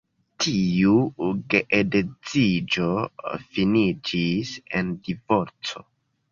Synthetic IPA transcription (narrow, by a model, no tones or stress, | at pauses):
tʰiuɡeʔedet͡sid͡ʒo̞finid͡ʒisendivo̞ɾt͡so̞̰